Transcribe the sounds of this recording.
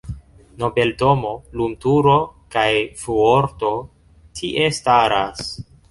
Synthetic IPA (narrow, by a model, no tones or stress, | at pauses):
no̞be̞lto̞mo̞lumtuɾo̞kajfuoɾto̞ | tʰiʔe̞staɾas